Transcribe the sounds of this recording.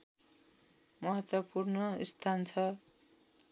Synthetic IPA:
mʌɦʌt̪wʌpurnʌist̪ʰant͡sʰʌ

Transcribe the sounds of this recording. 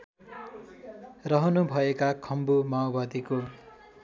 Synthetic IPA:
rʌɦʌnubʱʌekakʰʌmbumaobad̪iko

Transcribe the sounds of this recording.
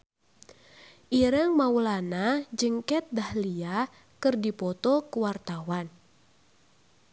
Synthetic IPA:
ʔiɾəŋmaulanad͡ʒəŋkɛt̪̚dahlia | kɨrdipɔt̪ɔkuwart̪awan

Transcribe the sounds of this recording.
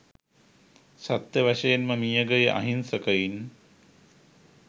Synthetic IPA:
sat̪jəʋaʃəjenməmijəɡəjəʔa̰ɦinsəkəjin

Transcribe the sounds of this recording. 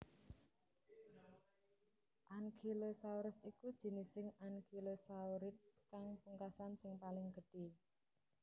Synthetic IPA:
ʔaŋkʰilosauɾɪsikud̥ʒ̥i̤nɪsɪŋaŋkʰilosauɾɪt̪skaŋpuŋkasansɪŋpalɪŋɡ̥ə̤dɖ̥i̤

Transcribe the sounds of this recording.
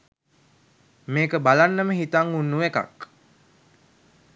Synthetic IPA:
meːkəbalanːəməɦit̪aŋunːuʋeka̰k

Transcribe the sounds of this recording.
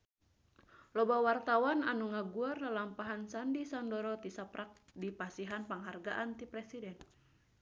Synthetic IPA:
lɔbawart̪awananuŋaɡuarnalampaɦansandisandɔɾɔt̪isapɾʔak̚dipasiɦanpaŋɦarɡaʔant̪ipɾɛsidɛn

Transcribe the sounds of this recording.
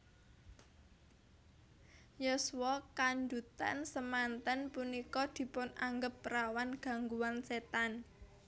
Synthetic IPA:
jɔswɔkandut̪ansəmant̪ənpunikɔd̪̥i̤pʊnaŋɡəpːəɾawanɡ̥a̤ŋɡuwanset̪an

